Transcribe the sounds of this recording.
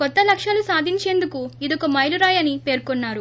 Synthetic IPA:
kɔt̪ːɐlɐkʂɐlusaːd̪ʱiɲt͡ʃe̞ːnd̪ukuid̪ɔkɐmɐjluɾaːjɐnipe̞ːɾkonːaːɾu

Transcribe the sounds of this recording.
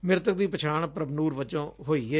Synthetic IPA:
mɪɾt̪ək̚d̪iːpət͡ʃʰaːɳpɾəbnuːɾʋət͡ʃõːɦoːiːɛː

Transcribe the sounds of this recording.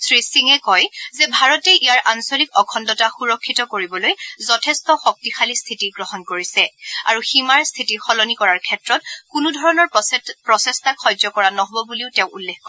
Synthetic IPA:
sʰɹisiŋɛkɔjzɛbʱaɹɔteʔijaɹʔansolikɔkʰɔndɔtaxuɹɔkʰːitɔkoɹibɔlojzɔtʰɛstɔxɔk̚tixʰalistʰitiɡɹɔhɔnkoɹisɛa̰ɹuximaɹst̪ʰitixɔlɔnikɔɹaɹkʰɛtɹɔt̚kunudʱɔɹɔnɔɹpɹɔsɛstakxɔjzɔkɔɹanɔɦɔbɔbuliʊtɛʊ̃ulːekkɔ

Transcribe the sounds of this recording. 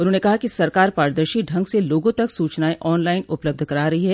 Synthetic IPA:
ʊnɦõːnekɐɦakisɐɾkaːɾpaːɾd̪əɾʃiɖʱɐ̃ŋɡseloːɡõt̪ɐksuːt͡ʃnaːeʔɔːnlaːɪnʊpləb̚d̪ʱkɐɾaːɾɐɦiɦɛː

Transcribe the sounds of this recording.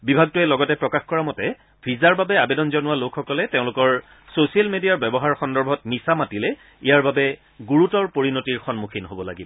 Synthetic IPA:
bibʱaɡ̚tʊɛlɔɡɔtɛpɹɔkaxkɔɹamɔtɛ | pʰizaɹbabɛabedɔnzɔnʊwalokʰxɔkɔlɛteʊ̃lʊkɔɹ | sosialmedijaɹbɛbɔɦaɹxɔndɔɹbʱɔtmisamatilɛ | ijaɹbabɛ | ɡuɹutɔɹpoɹinotiɹxɔnmukʰinɦobɔla̰ɡibɔ

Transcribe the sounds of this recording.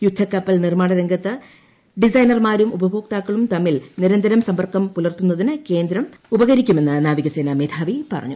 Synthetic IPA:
jud̪ʱːɐkːɐpːɐlnirmaːɳɐɾɐŋɡʱɐt̪ːɨ | ɖisɐjnɐrmaːɾumubɐbʱoːk̚t̪aːkːɐɭumt̪ɐmːilniɾɐnd̪ɐɾɐmsɐmbɐrkɐmpulɐrt̪unːɐðinɨke̞ːnd̪ɾɐmubɐɣɐɾikʲːume̞nːɨnaːʋiɣɐseːnɐmeːd̪ʰʱaːʋipɐrɐ̰ɲːu

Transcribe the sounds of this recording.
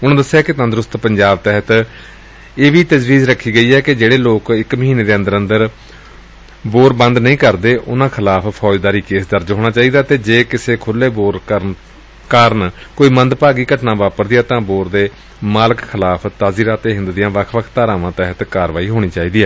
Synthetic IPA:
ʊnãːd̪əsːjaːkɪt̪ə̃nd̪ɾʊst̪pəɲd͡ʒaːbt̪ɛɦət̪ | eːʋiːt̪əd͡ʒʋiːzɾəkʰːiːɡəiːɦɛːkɪd͡ʒeːɽeːloːkɪkməɦiːneːd̪eːənd̪əɾə̃nd̪əɾ | boːɾbənd̪nəĩːkəɾd̪eːʔʊ̰nãːkʰɪlaːpʰpʰɔːd͡ʒd̪aːɾiːkeːsd̪əɾd͡ʒɦoːɽ̃aːt͡ʃaːiːd̪aːt̪eːd͡ʒeːkɪseːkʰʊlːeːboːɾ | kəɾənkoːiːmə̃nd̪paːɡiːkəʈnãːʋaːpəɾd̪ɪjaːt̪ãːboːɾd̪eː | maːləkkʰɪlaːpʰt̪aːziːɾaːt̪eːɦɪ̃nd̪d̪ɪjãːʋəkʰʋəkʰt̪aːɾãːʋãːt̪ɛɦət̪kaːɾʋaːiːɦoːɽ̃iːt͡ʃaːiːd̪iːɛː

